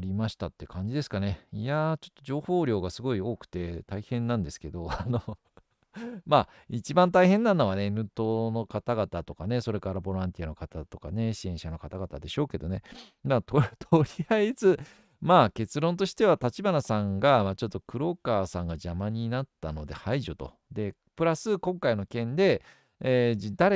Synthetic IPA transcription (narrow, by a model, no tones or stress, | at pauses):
ɾʲimaɕi̥t̪at̪ːe̞kãɲ̟d͡ʑid̪e̞sɨ̥kane̞ijat͡ɕo̞̥t̪ːo̞ʑo̞ːho̞ːɾʲo̞ːɡasɨɡo̞io̞ːkɯ̥t̪e̞t̪aihẽ̞nːãnd̪e̞sɨ̥ke̞d̪o̞ano | maː | it͡ɕibãnt̪aihẽ̞nːãnːo̞βane̞nɯ̟t̪o̞no̞kat̪aɡat̪at̪o̞kane̞so̞ɾe̞kaɾabo̞ɾãnt̪ʲiano̞kat̪at̪o̞kane̞ɕiẽ̞ɰ̃ɕano̞kat̪aɡat̪ad̪e̞ɕo̞ːke̞d̪o̞ne̞mat̪ot̪ʰoɾʲiaizɨ | maːke̞t͡sɨɾõ̞nt̪̬o̞ɕi̥t̪e̞βat̪at͡ɕibanasãŋɡamat͡ɕo̞t̪ːo̞kɯ̟ɾo̞ːkaːsãŋɡaʑamaɲ̟inat̪ːano̞d̪e̞̰haiʑot̪o̞̰ | d̪e̞ | pɯ̟ɾasɨkõ̞ŋkaino̞kẽ̞nd̪e̞ː | d̪aɾ